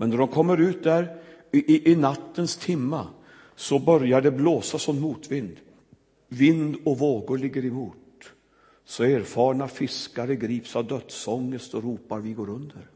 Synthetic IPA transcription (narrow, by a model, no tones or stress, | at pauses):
mɛnd̪ɔɖɔmkʰɔmːəɾʉ̟ːt̪̚d̪æɾ | ʔɪnat̪ːənst̪ʰɪmːa | sɔbœɾjaɖɛbloːsasɔmːuːt̪vɪnd̪ | vɪnd̪ɔvoːɡʊɭɪɡːəɾɪmuːt̪ | sɔeːɾfɑːɳafɪskaɾəɡɾiːpsavd̪œt̪sɔŋːəst̪ɔɾuːpaɾvɪɡoːɾɵnd̪əɾ